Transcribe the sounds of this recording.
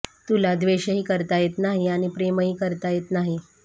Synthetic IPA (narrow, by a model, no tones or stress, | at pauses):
t̪ulad̪ʋeɕəɦiːkəɾt̪ajet̪naɦiaɽ̃ipɾeməɦiːkəɾt̪ajet̪naɦi